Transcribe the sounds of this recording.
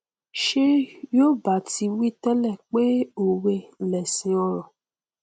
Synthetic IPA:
ʃe˦jo˦ba˨ti˧wi˦tɛ˦lɛ˦˨k͡pe˦o˨we˧lɛ˨sĩ˧ɔ˧ɾɔ˨

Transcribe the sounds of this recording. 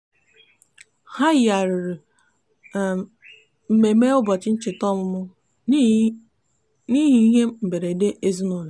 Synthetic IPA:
ha˦ja˨ɾɪ˨ɾi˨ | m̩˨me˨˦me˦ʊ˦bɔ˨t͡ʃɪ˦n̩˦t͡ʃɪ˨tɔ˦mʊ˦mʊ˦ | ni˦ɦi˦i˦ɦe˦m̩˨be˨ɾe˨i˨de˦ʔe˦zi˦no˦˨le˨

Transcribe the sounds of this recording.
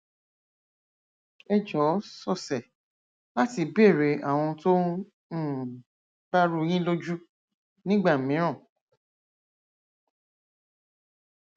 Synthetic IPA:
ɛ˧d͡ʒɔ˨˦sɔ˦˨sɛ˨ | la˦ti˨be˦˨ɾe˨˦ʔa˨w̃ɔ̃˧to˦˨ | b̥a˦ɾu˧j̃ĩ˦lo˦d͡ʒu˦ | nĩ˦ɡ͡ba˦˨mĩ˨˦ɾ̃ɔ̃˦˨

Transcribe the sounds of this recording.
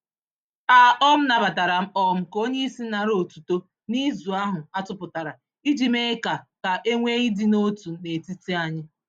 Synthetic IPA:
a˨ɔ˦m̩˦na˨ba˨ta˨ɾa˨m̩˦ɔ˦m̩˦ko˦ɲe˦i˦si˦na˨ɾo˨tu˨to˦ | ni˦zu˨a˦ɦʊ˨a˦tʊ˦pʊ˨ta˨ɾa˨ | i˦d͡ʒi˨me˦ka˨ka˨ʔe˦ŋʷe˦i˦di˦no˦tu˨ne˨ti˦ti˦a˦ɲɪ˦

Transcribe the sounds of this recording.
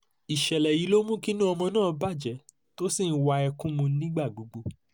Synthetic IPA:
i˨ʃɛ˨lɛ˨ji˨˦lo˦mũ˦ki˦nũ˦ɔ˧mɔ̃˧nãː˦˨ba˦˨d͡ʒɛ˨˦ | to˦si˦˨n̩˨˦wa˧ɛ˧kũ˦mũ˧˦nĩ˦ɡ͡ba˦˨ɡ͡bu˨˦ɡ͡bo˧

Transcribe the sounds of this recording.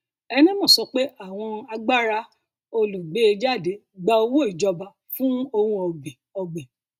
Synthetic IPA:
ɛ˧nĩ˦mɔ̃˦˨sɔ˧k͡pe˦a˦˨w̃ɔ̃˧a˧ɡ͡ba˦ɾa˧ | o˧lu˨ɡ͡be˨˦e˧d͡ʒa˦˨de˨˦ | ɡ͡ba˧o˧wo˦i˨d͡ʒɔ˧ba˨ | fũ˦o˧hũ˦ɔ˧bi˨ɔ˧ɡ͡be˨

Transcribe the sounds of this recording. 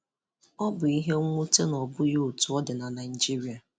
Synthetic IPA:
ɔ˦bʊ˨i˦ɦe˦ŋʷu˦te˦nɔ˨bʊ˦jo˦o˨tu˨ɔ˦dɪ˨na˨na˨ɪ˨d͡ʒi˦ɾi˨˦a˨

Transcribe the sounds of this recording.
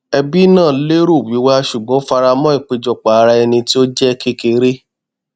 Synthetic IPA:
ɛ˧bi˦nãː˦˨˦le˦ɾu˦˨wi˨˦wa˦ʃu˨ɡ͡bɔ̃˨˦fa˧ɾa˧mɔ̃˦i˦˨k͡pe˧d͡ʒɔ˨k͡pa˨a˧ɾa˧ɛ˧nĩ˧ti˦o˦d͡ʒɛ˦˧ke˦ke˧ɾe˦

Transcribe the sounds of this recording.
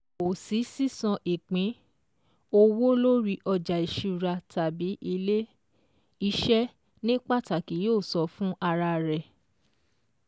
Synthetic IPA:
o˨si˨˦si˦sɔ̃˧ʔi˨k͡pĩ˨˦ | o˧wo˦lo˦ɾi˧ʔɔ˧d͡ʒa˨i˨ʃi˨˧u˨ɾa˧ta˨bi˨˦ʔi˧le˦ | i˧ʃɛ˦ | nĩ˦k͡pa˦˨ta˨ki˨˦joː˦˨sɔ˧˦fũ˦ʔa˧ɾa˧˨ɾɛ˨

